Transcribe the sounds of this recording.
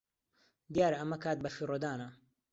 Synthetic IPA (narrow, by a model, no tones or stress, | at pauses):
d̪jaːɾɐɐmɐkʰaːt̪̚bɐfirod̪aːnɐ